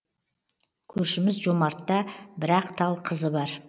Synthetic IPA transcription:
kʲʰɵɾʃɪmɪzʒomɑɾt̪ːɑbɪɾɑqt̪ʰɑlˠqʰəzəbɑɾ

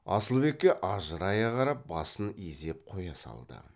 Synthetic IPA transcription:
ɑ̰səlˠbe̞kʲːe̞ʔɑʒəɾɑjɑqɑɾɑp̚bɑsəneze̞p̚qʰo̞jɑsɑ̰lˠd̪ə̰

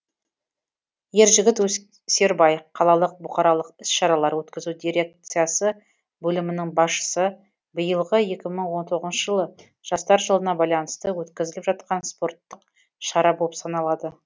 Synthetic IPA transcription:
je̞ɾʒɪɡʲɪt̪wɵ | se̞ɾbɑjqʰɑlˠɑlˠəq̚bʊqɑɾɑlˠəqɪsʃɑɾɑlˠɑɾwɵt̪kʲɪzud̪iɾʲe̞k̚t̪sijasə | bɵlɪmɪnɪŋbɑsʃə̥sə | bəjəlˠʁəje̞kʲɪməɴwo̞nt̪ʰo̞ʁəznʃəʒəlˠə | ʒ̥ɑst̪ɑɾʒəlˠənɑbɑjlˠɑnəst̪əwɵt̪kʲɪzɪlɪpʒɑt̪̚qɑnspo̞rt̪ːəq | ʃɑɾɑbolˠəpsɑnɑlˠɑd̪ə

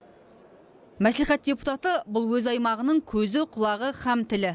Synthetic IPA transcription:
mæsliχæt̪̚d̥ʲepu̥t̪ɑt̪əbʊlˠwɵzɑjmɑʁənəɴkʲʰɵzɪqʰʊlˠɑʁəχæmt̪ɪlɪ

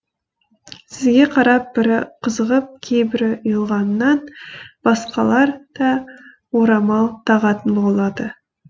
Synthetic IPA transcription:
sɪzɡʲe̞qʰɑɾɑp̚bɪɾɪqʰəzəʁəp̚kʲʰe̞jbɪɾʊjəlˠʁɑnːɑnb̥ɑsqɑlˠɑɾd̪̥ɑ | woɾɑmɑlˠt̪ʰɑʁɑt̪ənbolˠɑd̪ə

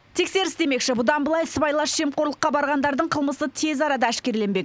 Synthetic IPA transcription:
t̪ʰe̞kse̞ɾɪsd̪e̞me̞kʃɪbʊd̪ɑnbəlˠɑjsbɑjlˠɑʃʃe̞mqo̞ɾlˠəqːɑbɑɾʁɑnd̪ɑɾd̪əɴqʰəlˠməsət̪ʰe̞zɑɾɑd̪ɑæʃkʲe̞ɾle̞nbe̞k

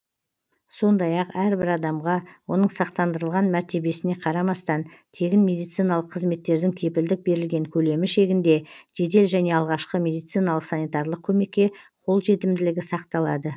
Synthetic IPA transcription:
so̞nd̪ɑjɑqæɾbɪɾɑd̪ɑmʁɑwo̞nəɴsɑqt̪ɑnd̪əɾəlˠʁɑnmæɾt̪e̞be̞sɪne̞qʰɑɾɑmɑst̪ɑnt̪ʰe̞ɡʲɪnme̞d̪ijt̪sijnɑlˠəqʰːəzme̞t̪ːe̞ɾd̪ɪŋkʲʰe̞pɪld̪ɪk̚be̞ɾɪlɡʲe̞ŋkʲʰɵle̞mɪʃe̞ɡʲɪnd̪e̞ʒ̥e̞d̪e̞lʒæne̞ɑlˠʁɑʃqəmʲe̞d̪ijt̪sɨjnɑlˠəqsɑnijt̪ɑɾlˠəq̚kʲʰɵme̞kʲːe̞qʰo̞lˠʒe̞t̪ɪmd̪ɪlɪɡʲɪsɑqt̪ɑlˠɑ̰d̪ə

